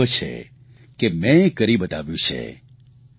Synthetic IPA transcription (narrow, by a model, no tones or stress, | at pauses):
ət͡ʃʰḛ | kemɛ̃kəɾibət̪aʋjũt͡ʃʰḛ